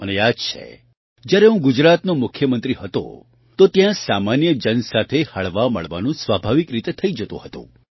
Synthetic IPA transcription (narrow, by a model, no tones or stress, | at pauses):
ənead͡ʒt͡ʃʰḛ | d͡ʒjaɾeɦũɡʊd͡ʒɾat̪nomʊkʰjəmənt̪ɾiɦət̪o̰ | t̪ot̪jãsamanjəd͡ʒənsat̪ʰehaɭʋamə̰ɭʋa̰nũsʋabʱaʋikɾit̪et̪ʰəid͡ʒət̪õ̰ɦət̪ṵ̃